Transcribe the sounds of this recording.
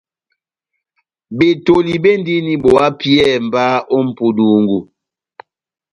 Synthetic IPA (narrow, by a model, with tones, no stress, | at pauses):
be˨to˨li˨be˦ndi˦ni˦bo˨a˦pi˦ɛ˦˨m̩˨ba˦ʔɔ˦m̩˨pu˨du˨ŋɡu˨